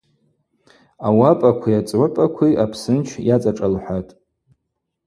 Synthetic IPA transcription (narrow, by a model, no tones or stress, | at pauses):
awapʼakʷʰiat͡sʼʕʷʊpʼakʷʰiʔapʰsɨnt͡ʃʰjat͡sʼaʈ͡ʂʼalħʷatʼ